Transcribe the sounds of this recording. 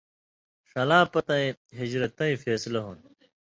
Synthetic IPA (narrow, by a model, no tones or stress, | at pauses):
ʂɐlãːpɐt̪ɐ̃ĩɦid͡ʑɾɐt̪ːɐ̃ĩfeːsilɐɦuːn